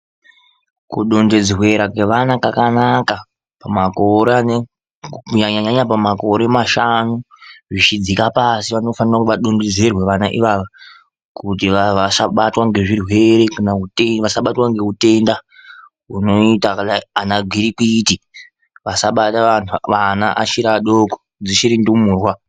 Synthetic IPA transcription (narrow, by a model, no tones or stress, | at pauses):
kuɗo̞nded͡zirwe̞ɾakwe̞ʋanakakanaka | pamakoɾ | uɲaɲaɲaɲapamako̞ɾe̞maʃanu | ʐit͡ʃid͡zikapasiʋano̞fanirakuʋaɗo̞nded͡zerwe̞ʋanaʔiʋaʋa | kutiʋaʋasaɓatwaŋɡe̞ʐirwe̞ɾe̞kanauteʋasaɓatwaŋɡeute̞nda | ɦuno̞itakaaanaɡʱiɾikwiti | ʋasaɓatanana̰ʔaʃiɾaɗoko̥ | d͡ziʃiɾindumuːrwa